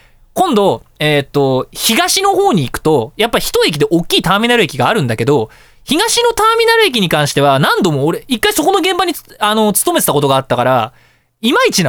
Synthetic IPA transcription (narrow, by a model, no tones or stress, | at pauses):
kõ̞nd̪o̞et̪ːo̞çiɡaɕino̞ɦo̞ːɲ̟iːkɯ̟̥t̪o̞japːaiçi̥t̪oe̞k̬ʲid̪e̞ʔokʲːiːt̪aːmʲĩnaɾɯ̟e̞kʲiɡaːɾɯ̟̃nd̪ake̞d̪o̞ | çiɡaɕino̞t̪aːmʲinaɾɯ̟e̞k̬ʲiɲ̟ikãɰ̃ɕi̥t̪e̞βanãnd̪o̞moːɾe̞ikːaiso̞ko̞no̞ɡẽ̞mbaɲ̟iano̞t͡sɨ̥t̪ome̞tet̪ako̞t̪o̞ɡaːt̪ːakaɾa̰ | imait͡ɕina